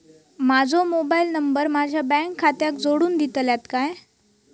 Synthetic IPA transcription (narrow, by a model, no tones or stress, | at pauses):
mad͡zʱomobailnəmbəɾmad͡ʑʱjabɛ̃ŋkʰːat̪jak̚d͡zoɽuːnd̪it̪ljat̪kaj